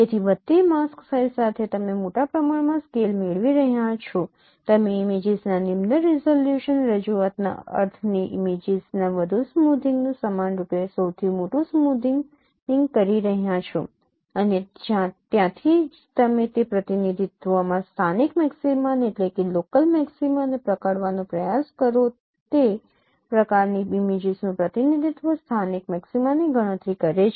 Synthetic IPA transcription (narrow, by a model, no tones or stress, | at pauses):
et̪ʰiʋədt̪ːemasksajlsat̪ʰet̪əmemoʈapɾəmaɽmãskelmeɭʋiɾəɦjãt͡ʃʰo | t̪əmeːmed͡ʒiznanimnəɾizoljuʃənɾəd͡ʒuat̪na̰ə̰ɾt̪ʰniʔimed͡ʒiznaʋəd̪ʱusəmud̪ʱiŋɡnũsəmanɾupesəwt̪ʰimoʈũsmud̪ʱiŋɡ | ɪŋɡkəɾiɾəɦjãt͡ʃʰo̰ | əned͡ʒãt̪jãt̪ʰid͡ʒt̪əmẽt̪epɾət̪inid̪ʱit̪ʋomãst̪ʰanikmɛksimaneʈlekelokəlmɛksimanepɾəkəɽʋanõpɾəjaskəɾo | t̪e | pɾəkaɾniimed͡ʒiznũpɾət̪inid̪ʱit̪ʋost̪ʰanikmɛksimaniɡəɽ̃ə̃t̪ɾikəɾet͡ʃʰ